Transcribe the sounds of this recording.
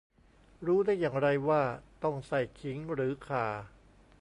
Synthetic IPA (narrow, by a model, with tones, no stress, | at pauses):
ɾuː˦˥daː˥˩jːaː˨˩ŋɾa˧jwaː˥˩t̪ɔ˥˩ŋsa˨˩jkʰi˩˦ŋɾɯː˩˦kʰaː˨˩